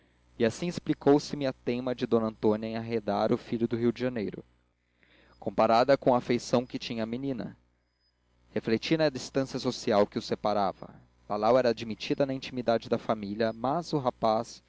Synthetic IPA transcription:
iasĩɪsplikowsɪmɪɐt̪ẽmɐd͡ʒɪd̪õnɐ̃nt̪õnɐẽaɦed̪aɾʊfiʎʊd̪ʊɦiwd͡ʒɪʒɐnejɾʊ̰ | kõmpaɾad̪ɐkõɐːfejsɐ̃w̃kɪt͡ʃĩɲɐːminĩnɐ̰ | heflet͡ʃinɐd͡ʒist̪ɐ̃siɐsosiawkɪʊsepaɾavɐ̰ | b̥alawɛɾaːd͡ʒimit͡ʃid̪ɐnɐĩt͡ʃimid̪ad͡ʒɪd̪ɐfamiljɐmɐzʊɦapas

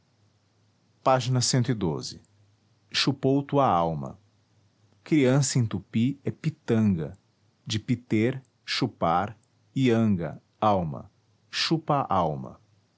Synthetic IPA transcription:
paʒinɐsẽnt̪ʊid̪o̰zɪ̰ | ʃupowt̪uɐawmɐ̰ | kɾiɐ̃sɐẽt̪upiɛpit̪ɐ̃ŋɡɐ̰ | d͡ʒɪpit̪eɾ | ʃupaɾ | iɐ̃ŋɡɐ̰ | awmɐ̰ | ʃupɐʔawmɐ̰

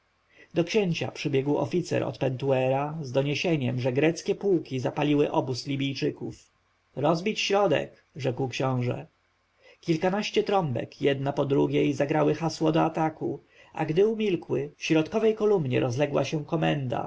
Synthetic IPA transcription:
d̪ɔkɕeɲt͡ɕa̰pʂɘbʲjɛɡwɔ̰fʲit̪sɛ̰ɾɔ̰t̪pɛnt̪uɛɾazd̪ɔɲeɕeɲɛmʐɛɡɾɛt̪skʲɛpuwkʲizapalʲiwɘʔɔbuslʲibʲijt͡ʂɘkuf | ɾɔzbʲit͡ɕɕɾɔd̪ɛ̰k | ʐɛkwkɕɔ̃w̃ʐɛ̰ | kʲilkanaɕt͡ɕɛt̪ɾɔmbɛ̰kjɛd̪napɔd̪ɾuɡʲejzaɡɾawɘxaswɔd̪ɔat̪aku | a̰ɡd̪ɘumʲilkwɘfɕɾɔt̪kɔvɛjkɔlumɲɛ̰ɾɔzlɛɡwa̰ɕɛw̃kɔmɛnd̪a̰

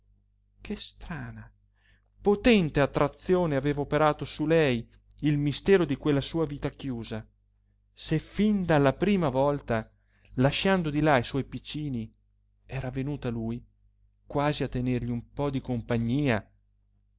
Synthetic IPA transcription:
kʰest̪ɾaːna | pot̪ɛnt̪eat̪ːɾat̪sːjoːneaveːvaopeɾaːt̪osulɛj | ilmist̪ɛːɾod̪ikwelːasuːaviːt̪akjuːza | sefind̪alːapɾiːmavɔlt̪a | laʃand̪od̪ilaiswɔjpit͡ʃːiːni | ɛːɾavenuːt̪aluj | kwaːziat̪ːenerʎiumpɔd̪ikompaɲːiːa

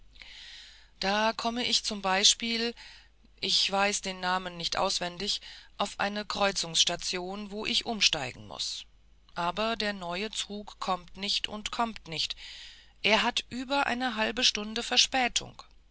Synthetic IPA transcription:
d̥aːkʰɔməʔɪçt͡sʊmbaɪʃpiːl | ʔɪçv̥aɪsd̥eːnːaːmənːɪçtʔa̰ʊsv̥ɛndɪçʔaʊfʔa̰ɪnəkʁ̥ɔʏt͡sʊŋsʃtat͡sjoːnvoːʔɪçʔʊmʃtaɪɡŋ̩mʊ̰s | ʔaːbɐdeːɐnɔʏət͡suːkʰːɔmtnɪçtʰʊ̰ntkʰɔmtnɪçt | ʔeːɐɦatʔyːbɐʔa̰ɪnəɦalbəʃtʊndəfɛɐʃpɛːtʰʊ̰ŋk

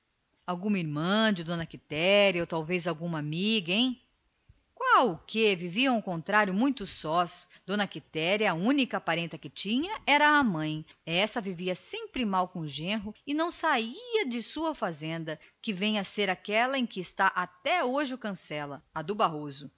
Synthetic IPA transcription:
awɡũmɐiɾmɐ̃d͡ʒɪd̪õnɐkit̪ɛɾjɐot̪awvezawɡũmɐamiɡɐẽj̃ | kwawʊkeviviɐ̃w̃ʊkõnt̪ɾaɾjʊmũj̃t̪ʊsɔsd̪õnɐkit̪ɛɾjɐɐũnikɐpaɾẽnt̪ɐkɪt͡ʃĩɲɐɛɾɐːmɐ̃j̃ɛsɐviviɐsẽmpɾɪmawkõʒẽɦʊɪnɐ̃w̃saiɐd͡ʒɪsuɐfazẽnd̪ɐkɪvẽj̃ɐseɾakɛlɐẽj̃kɪːst̪aʔat̪ɛoʒɪʊkɐ̃sɛlɐɐd̪ʊbaɦozʊ

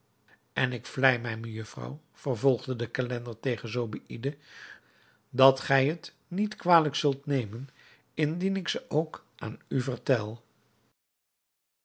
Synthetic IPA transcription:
ɛnɪkflɛjmɛjməjɵfrɑ̰w | v̥ərvɔlˠχdədəkalɛndəɹtejχənzowbiʔidə | dɑtχɛjɦət | nitkʋaːləksɵlˠtnejmən | ɪndinɪksəʔowk | ʔa̰ːnyvərtɛlˠ

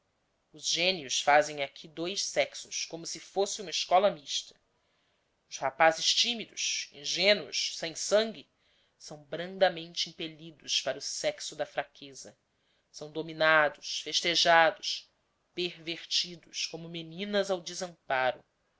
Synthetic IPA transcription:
ʊzʒẽniusfazẽj̃akʲʰid̪ojʃsɛksʊskõmʊsɪfosɪũmɐɪʃkɔlɐmiʃt̪ɐ̥ | ʊshapazɪʃt͡ʃimid̪ʊʃẽʒẽnʊ̰ʃsẽj̃sɐ̃ŋɡʲɪ | sɐ̃w̃bɾɐ̃nd̪ɐmẽnt͡ʃɪĩpeʎid̪ʊspaɾɐʊsɛksʊd̪ɐfɾakʰezɐ | sɐ̃w̃d̪ominad̪ʊʃfeʃt̪eʒad̪ʊs | peɾveɾt͡ʃid̪ʊskõmʊmenĩnɐzawd͡ʒɪzɐ̃paɾʊ̰

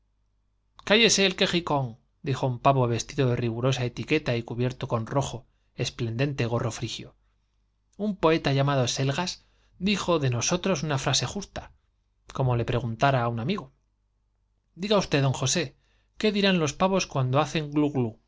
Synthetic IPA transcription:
kaje̞se̞ːlke̞xiko̞ŋ | d̪ixo̞umpaβo̞βe̞st̪iðo̞ðe̞riɣ̞uɾo̞sae̞t̪ike̞t̪aikuβje̞ɾt̪o̞ko̞nro̞xo̞ | e̞sple̞nd̪e̞nt̪eɣ̞o̞ro̞fɾixjo̰ | umpo̞e̞t̪aʝamað̞o̞se̞lɣas | d̪ixo̞ðe̞no̞so̞t̪ɾo̞sunafɾase̞xust̪a | ko̞mo̞le̞pɾe̞ɣunt̪aɾaːunamiɣo | d̪iɣaust̪e̞ðo̞ŋxo̞se̞ | ke̞ðiɾanlo̞spaβo̞skwand̪oaθe̞ŋɡluɣlu

